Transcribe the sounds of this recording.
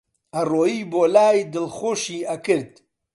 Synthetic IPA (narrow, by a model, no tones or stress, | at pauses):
ɐroːjiːboːlaːjd̪ɨlxoːʃiːʔɐkɨɾd̪̚